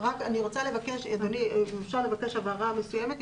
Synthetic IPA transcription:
ʁakaniʁot͡sale̞vakeʃedoniuʃaʁle̞vake̞ʃhavaʁamesujeme̞t̪

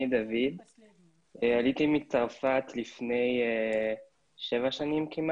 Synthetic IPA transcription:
id̪avid̪ | ealit̪imit͡saʁfat̪lifne̞je | ʃevaʃanimkima

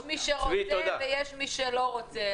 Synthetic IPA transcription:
miʃeʁoiod̪avejɛʃmiʃeloʁot͡se

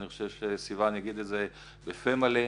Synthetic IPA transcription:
niχoʃevʃesivaniaɡid̪etze | befemale

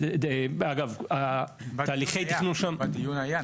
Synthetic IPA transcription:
aɡava | t̪aːliχejt̪inuʃamd̪ijunaja

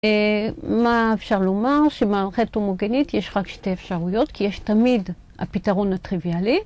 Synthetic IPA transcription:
maefʃaʁlo̞maʁʃemalχetomoɡenitjeʃʁakʃte̞efʃaʁujo̞tkʰijeʃtamid | a̰pitaʁo̞nat̪ʁiviali

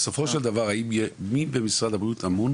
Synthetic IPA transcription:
so̞fo̞ʃeld̪avaʁaibjemibemisʁad̪habʁijut̪amun

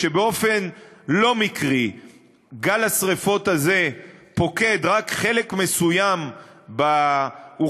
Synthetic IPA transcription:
ʃebeo̞fe̞nlo̞mikʁi | ɡalasʁefo̞t̪aze̞po̞ke̞d̪ʁakχe̞lekme̞sujambau

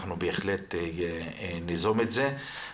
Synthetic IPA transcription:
χnubeːχle̞t | nizometze

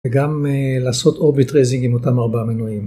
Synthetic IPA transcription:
eɡamelaːso̞toʁbitʁezĩŋɡimo̞tamaʁbamenujim

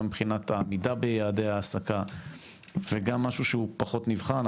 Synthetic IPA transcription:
mibχinat̪amidabejaːdehaːsaka | veɡamːaʃuʃeupaχo̞t̪nivχan

